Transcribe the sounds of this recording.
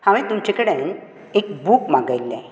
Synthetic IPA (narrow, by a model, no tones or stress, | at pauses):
haʋĩt̪umt͡ɕekəɽen | ekbukmaɡajlːɛ̰̃